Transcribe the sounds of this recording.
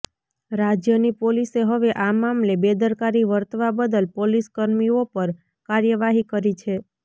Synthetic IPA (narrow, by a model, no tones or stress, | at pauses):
ɾad͡ʒjənipoliseɦəʋeʔamamlebed̪əɾkaɾiʋəɾt̪ʋabəd̪əlpoliskəɾmiopəɾ | kaɾjəʋaɦikəɾit͡ʃʰe